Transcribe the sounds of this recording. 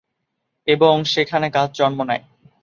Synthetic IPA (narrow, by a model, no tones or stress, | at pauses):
eboŋʃekʰanekad͡ʑd͡ʑɔnmonɛj